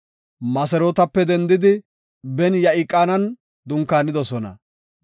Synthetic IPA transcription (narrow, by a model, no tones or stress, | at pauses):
mɐsɛɾoːt̪ɐpːɛd̪ɛnd̪ɪd̪ɪ | bɛnjɐʔɪkʼːaːnɐn | d̪ʊŋkːaːnɪd̪ɔsɔnɐ̰